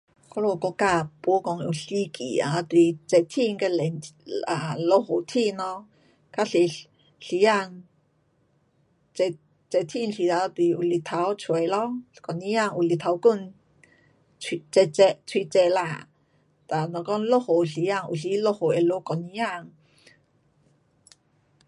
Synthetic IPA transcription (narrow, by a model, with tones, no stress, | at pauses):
kɔ˧˦lo˧˨kɔ˧˦ka˧˨pu˧˦kɔ˧ŋ˧u˨ɬi˧˦kʰḭ˨a˨˧t̪wi˨t͡sɛ˧˨t̪ʰi˥˧ŋke˧lɛ˨na˨lo˧ho˨t̪ʰi˥˧˨nɔ˧ | ka˧˥ɬi˧ | ɬi˧˦ja˧˨ŋ | t͡sɛ˧ | t͡sɛ˧t̪ʰi˧˨n˧ɬi˧˨t̪a˧˨˧t̪i˧˨ʔu˧˨li˧˨t̪ʰa˧˦wt͡sʰwə˨jlɔ˦kɔ˨ni˧˦ja˧˨ŋʔu˧˨li˧t̪ʰa˧˦wku˥˧˨n | i˧t͡sɛ˧t͡sɛ˧ʔt͡sʰwi˧t͡sɛ˧˨la˧˨ | t̪a˨nɔ˨˧˨kɔ˥˨nlo˧ho˨ɬi˧˦ja˧ŋʔṵ˧˨ɬi˧˦lo˦˧ho˨ʔe˧˨lo˧˦kɔ˨ni˧˦ja˧˨ŋ